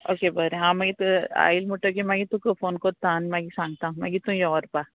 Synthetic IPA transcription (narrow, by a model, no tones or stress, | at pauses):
oːkebɐɾeɦãːmɐɡit̪a̰ːilmuʈəkemãɡit̪ũkofoːnkoːt̪aːnmaɡisãːŋɡ̚t̪ãmɐɡit̪ũjɔɔːɾpa